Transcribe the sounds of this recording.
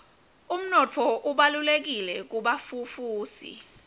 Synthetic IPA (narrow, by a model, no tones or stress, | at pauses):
um̩nɔt͡fʰɔʔuɓalulek̬ilɛk̬uɓafufuːsḭ